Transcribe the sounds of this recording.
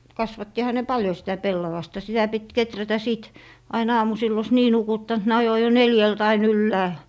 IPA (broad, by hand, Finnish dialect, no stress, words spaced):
kɑsʋɑtːihɑ ne pɑljo sitæ pelːɑʋɑstɑ sitæ pit ketrætæ siˑt ɑin ɑːmusilː os niː nukutːɑnt ne ɑjo jo neljælt ɑin ylːæːl